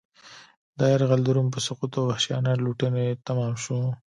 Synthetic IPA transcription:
d̪ɑjɪɾɣald̪uɾump̬əsʊqut̪obahʃjɑ̰naluʈənet̪amɑmʃu

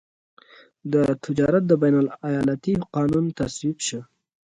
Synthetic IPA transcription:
d̪ət̪ʰɪd͡ʒɑɾat̪̚d̪əbajnalajɑlat̪iqɑnunt̪aswibʃə

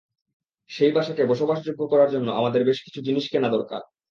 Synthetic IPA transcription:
ʃejbaʃakebɔʃobaʃd͡ʑoɡːokɔɾaɾd͡ʑonːoʔamad̪eɾbeʃki̥t͡ɕʰud͡ʑiniʃkenad̪ɔɾka̰ɾ

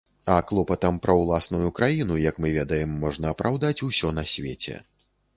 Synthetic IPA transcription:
ɐklˠɔpɐt̪ɐmpɾɐwlˠasnujukɾajinujɐkmɨvʲɛd̪ɐjɛmːɔʐn̪ɐːpɾawd̪at͡sʲusʲɔnɐsʲvʲḛt͡sʲɛ̰

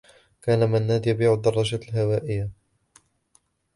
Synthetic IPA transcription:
kaːnamanːaːd̪jabiːʕʊd̪ːɑrˤːɑd͡ʒalɦawaːʔɪjːa

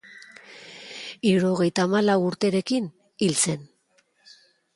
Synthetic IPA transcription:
iuɾo̞ɣ̞e̞jt̪aːmalawuɾt̪e̞ɾe̞kin | ilt͡se̞n

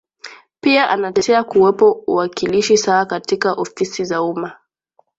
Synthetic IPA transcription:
piaʔanatɛɛakuwɛpɔuwakiliʃisaːkatikaʔɔfisizauma

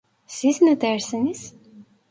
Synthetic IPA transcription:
sisnæt̪æɾsænis

